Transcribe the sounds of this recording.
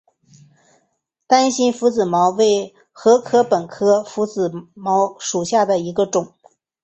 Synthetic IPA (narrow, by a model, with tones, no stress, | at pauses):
t̪a˥nɕi˥nfu˧˥t͡sɹ̩˨˩mɑ˧˥ʊwe˥˩ɪ | xɤ˧˥kʰɤ˥pə˨˩nkʰɤ˥fu˧˥t͡sɹ̩˨˩mɑ˧˥ʊʂu˨˩ɕja˥˩d̪ə˩i˧˥ɡə˧ʈ͡ʂʊ˨˩˦ŋ